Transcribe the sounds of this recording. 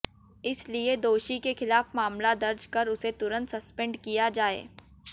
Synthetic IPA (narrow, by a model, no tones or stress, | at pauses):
ɪslied̪oːʃikexɪlaːfmaːmlad̪ɐɾd͡ʒkɐɾʊset̪ʊɾə̃nt̪sɐspɛ̃ɳɖkijad͡ʒaːḛː